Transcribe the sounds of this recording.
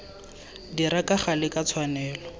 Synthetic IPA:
diɾakaχalɪkat͡sʰwanɛːlɔ

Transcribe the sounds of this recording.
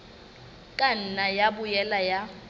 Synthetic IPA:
kʼan̩najabʊjɛlaja

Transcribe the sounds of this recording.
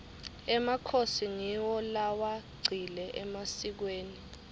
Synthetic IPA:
ɛmakʰosiŋiwɔlawaɡ͡ǀʱilɛʔɛmasik̬weːni

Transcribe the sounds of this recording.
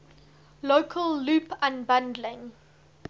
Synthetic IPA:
loːkʰəlˠːuːpãnbãndlɪ̃ŋ

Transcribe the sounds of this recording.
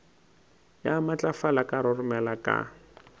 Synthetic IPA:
jamat͡ɬʼafalakʼaɾʊrʊmɛlakʼa̰

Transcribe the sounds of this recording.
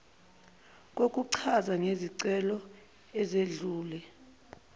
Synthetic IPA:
k̬ʼok̬ʼuǀʰazaŋeziǀɛlɔ | ɛzeɮuːlɛ

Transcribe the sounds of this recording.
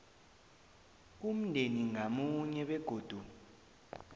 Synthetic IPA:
um̩ndʱeniŋamuɲɛɓɛɡ̥ʱoːd̥ʱu

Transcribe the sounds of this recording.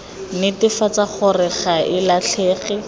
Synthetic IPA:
nɪtɪfat͡saχʊrɛχaʔɪlaɬʰeːχɛ

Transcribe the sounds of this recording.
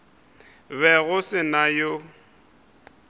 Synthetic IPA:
βɛɣʊsɪnajo

